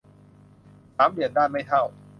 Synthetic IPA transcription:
saː˩˦mɾi˨˩ən̚daː˥˩nma˥˩jt̪ʰa˥˩w

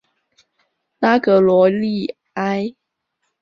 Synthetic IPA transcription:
na˦kə˨lwɔ˧˦li˥˨ | a˦ɪ

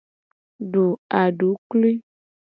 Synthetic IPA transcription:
ɖu˨a˨ɖu˨˦klu˦i˦

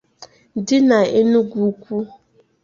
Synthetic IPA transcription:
dɪ˦na˨e˦nu˦ɡʷu˦kʷu˦

